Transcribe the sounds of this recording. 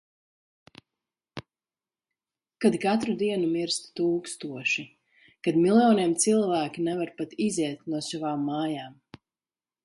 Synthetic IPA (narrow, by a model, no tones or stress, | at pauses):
kad̪kat̪ɾud̪iɛnumiɾst̪t̪uːkst̪uɔʃi | kad̪milˠjɔːniɛmt̪silˠvæːkʲinɛvaɾpat̪izɛɛt̪nuɔsavaːmːaːjaːm